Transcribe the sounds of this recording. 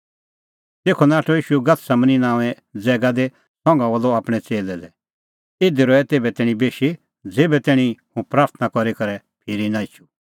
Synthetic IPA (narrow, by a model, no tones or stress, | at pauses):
t̪eːkʰonaːʈʰoiːʃuɡɐt̪ʰsaməninaːʋɛ | d͡zɛːɡad̪e | sɔ̃ŋɡãʋɐloaːpɽ̃ɛt͡seːlɛd̪ɛ | ɪd̪iɾɔɛt̪eːbɛt̪ɛːɽ̃ĩbeːʃi | d͡zeːbɛt̪ɛːɽ̃ĩhũpɾaːɾt̪ʰnakɔɾikɐɾɛ | pʰɪɾinaɪt͡ʃʰu̥